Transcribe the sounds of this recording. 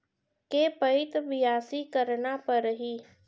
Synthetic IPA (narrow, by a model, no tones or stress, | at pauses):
kepəɪt̪ʋɪjaːsikəɾnapɐɾɦiː